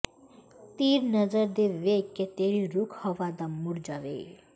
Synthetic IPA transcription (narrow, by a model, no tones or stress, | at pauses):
t̪iɾnʌd͡zəɾd̪eʋekːet̪eɾiɾukʰhɔʋad̪amːuɾd͡ʒaʋḛ